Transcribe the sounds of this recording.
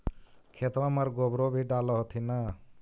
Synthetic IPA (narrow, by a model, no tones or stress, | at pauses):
kʰet̪ɾaməɾɡobɾobʱiɖalɔɦot̪ʰina